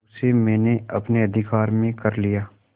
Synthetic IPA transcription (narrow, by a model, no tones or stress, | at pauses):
semɛ̃ːneɐpneɐd̪ʱɪkaːɾmẽkɐɾlijaː